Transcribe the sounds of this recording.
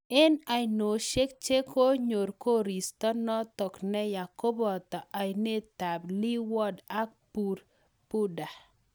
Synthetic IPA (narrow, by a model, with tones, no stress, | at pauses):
ɛ˦na˨jno˨ʃe˦k̚t͡ʃe˦ko˦ɲo˨ɾko˦ɾi˨st̪ɔ˦nɔ˦tɔ˨knɛ˦ja˨ko˦bɔ˨tɔ˨ʔa˨jne˦t̪a˨bli˦wɔ˦da˦k̚pu˨ɾ | pu˦da˨